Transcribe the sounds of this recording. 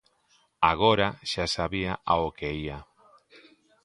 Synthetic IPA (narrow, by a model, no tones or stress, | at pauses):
aɣ̞oɾaʃasaβiaʔaokeia